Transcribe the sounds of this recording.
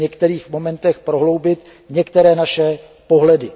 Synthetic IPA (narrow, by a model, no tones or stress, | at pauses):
ɲɛkt̪ɛɾiːxmo̞mɛnt̪ɛxpɾo̞ɦlo̞wbɪt̪ | ɲɛkt̪ɛɾɛːnaʃɛ | po̞ɦlɛdɪ